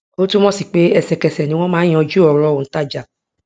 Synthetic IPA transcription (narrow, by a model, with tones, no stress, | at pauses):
o˦tũ˦mɔ̃˦si˦˨k͡pe˦ɛ˦˨sɛ˨kɛ˨sɛ˨nĩ˦w̃ɔ̃˦mãː˦ɔ̃˨˧d͡ʒu˦ɔ˨ɾɔ˧o˨˦ta˦˨d͡ʒa˨